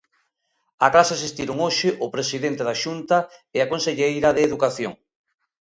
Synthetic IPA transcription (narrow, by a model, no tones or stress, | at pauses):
aklasasist̪iɾoŋoʃɪʔʊpɾesiðent̪eðaʃunt̪ɐɪakonseʎejɾɐðeːðukaθjo̰ŋ